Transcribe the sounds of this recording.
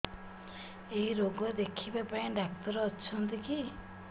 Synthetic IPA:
ejɾoɡɔd̪ekʰibapaẽɖak̚t̪ɔɾɔːt͡ʃʰɔnt̪iki

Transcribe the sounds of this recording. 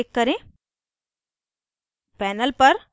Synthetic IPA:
ɪkːɐɾẽː | pɛːnəlpɐɾ

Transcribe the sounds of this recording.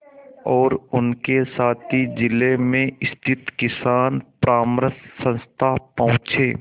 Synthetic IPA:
ɔːɾʊnkesaːt̪ʰid͡ʒɪlemẽɪst̪ʰɪt̪kɪsaːnpɾaːmɾəssə̃nst̪ʰapɐɦʊ̃t͡ʃeː

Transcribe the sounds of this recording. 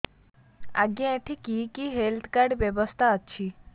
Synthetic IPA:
a̰ɡẽẽʈʰikikiɦelt̪ʰkaɾɖʋjəʋəst̪ʰaətːʃʰi

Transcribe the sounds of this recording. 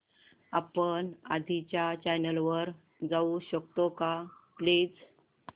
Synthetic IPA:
apəna̰d̪ʱit͡ɕjat͡ɕajnəlʋəɾ | d͡zauɕəkt̪okapled͡z

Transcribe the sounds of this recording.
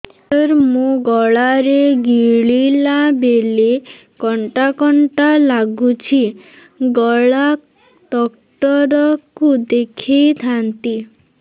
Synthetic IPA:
ɔɾmũɡɔɭaɾeɡiɭilabele | kɔɳʈakɔɳʈalaɡut͡ʃʰi | ɡɔɭa | ʈɔk | ʈɔɾɔkud̪ekʰijt̪ʰant̪i

